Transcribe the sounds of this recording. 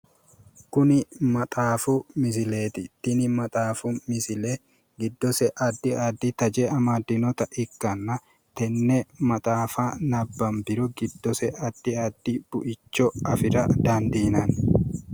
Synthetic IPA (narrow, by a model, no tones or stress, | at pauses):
kʊnɪmɐt̪ʼaːfʊmɪs̬ɪleːt̪ɪt̪ːɪnɪmɐt̪ʼaːfʊmɪsɪle | ɡɪd̪ːɔsɛʔɐd̪ːɪɐd̪ːɪt̪ɐd͡ʒɛːɐmaːd̪ːɪnɔt̪ɐʔɪkːɐnːɐ | t̪ɛnːɛmɐt̪ʼaːfanɐbːɐmbɪɾʊɡɪd̪ːɔsɛʔɐd̪ːɪɐd̪ːɪb̥ʊʔɪt͡ʃːɔɐfɪɾɐd̪aːnd̪iːnɐn